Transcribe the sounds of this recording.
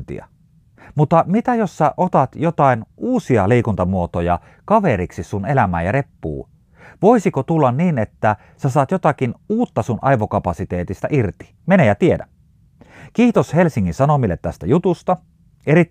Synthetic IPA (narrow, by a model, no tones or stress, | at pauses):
t̪ḭɑ̰ | mut̪ːˑɑmit̪æjosːæʔot̪ɑt̪jot̪ɑinʔuːsiɑleikunt̪ɑmuot̪ojɑ | kɑʋeɾiksisunelæmæ̰ːjɑrepːṵː | ʋoisikot̪ulːɑnniːnet̪ːæ | sæsɑːt̪jot̪ɑkinuːt̪ːɑsunʔɑ̰iʋokɑpɑsit̪eːt̪ist̪ɑʔirt̪i̥ | menejɑt̪iedæ | kiːt̪oshelsiŋːinsɑnomilːḛt̪t̪æst̪æjut̪ust̪ɑ | erit